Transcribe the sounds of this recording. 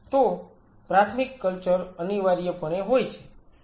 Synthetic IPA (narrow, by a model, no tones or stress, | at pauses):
t̪o | pɾat̪ʰmikːəlt͡ʃəɾəniʋaɾijəpəɳ̃eɦojt͡ʃʰe̥